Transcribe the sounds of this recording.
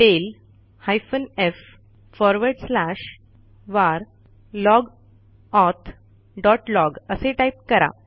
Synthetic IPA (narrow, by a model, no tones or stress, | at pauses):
ʈel | hajfənef | fɔɾʋəɾɖslaɕ | ʋaɾ | lɔɡ | ɔt̪ʰ | ɖɔʈlɔɡəseʈajp̚kəɾa̰